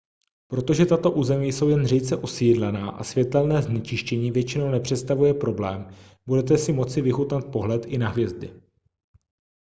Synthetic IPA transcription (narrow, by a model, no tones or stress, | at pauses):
pɾo̞t̪o̞ʒɛt̪at̪o̞ʔuːzɛmijso̞wjɛnriːt͡sɛʔo̞siːdlɛnaːʔa̰svjɛt̪ɛlnɛːznɛt͡ʃɪʃcɛɲiːvjɛt͡ʃɪno̞wnɛpr̝̥ɛt̪st̪avujɛpɾo̞blɛːm | budɛt̪̬ɛsɪmo̞t͡sɪvɪɦut̪nat̪̚poɦlɛt̪ʔɪnaɦvjɛzdɪ̰